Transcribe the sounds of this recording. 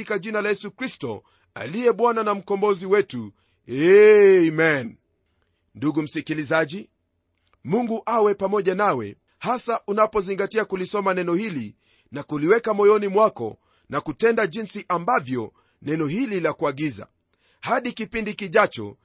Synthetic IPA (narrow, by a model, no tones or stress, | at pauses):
ikaʄinalajɛsukɾistɔ̰ | a̰liɛɓwananam̩kɔmbɔziwɛtu | ɛmɛn | nduɡum̩sikilizaʄi | muŋɡuʔawɛpamɔʄanawɛ̰ | hasaʔunapɔziŋɡatiakulisɔmanɛnɔhili | nakuliwɛkamɔjɔnimwakɔ̰ | nakutɛndaʄinsiʔambavjɔ | nɛnɔhililakuaɠiza̰ | haɗikipindikiʄat͡ʃɔ̰